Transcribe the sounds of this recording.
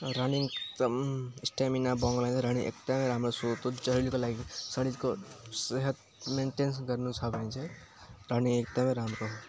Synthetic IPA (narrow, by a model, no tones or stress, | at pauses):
ɾaniŋɡ | sʈeminabɔ̃ŋɡlãt͡ʃʰeɾanĩŋʔḛkt̪amẽɾaːmɾosot̪ot͡ʃəɦɾilikolaɡisəɽid͡ʒkoseɦət̪ | meɳʈensɡəɾnut͡ʃʰabẽt͡ʃʰe | ɾanĩŋɡekt̪amẽɾaːmɾo